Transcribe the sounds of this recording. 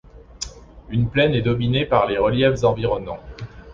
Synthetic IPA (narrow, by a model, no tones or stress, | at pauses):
ynplɛnɛd̪ɔminepaʁleʁəljɛfzɑ̃viʁɔnɑ̃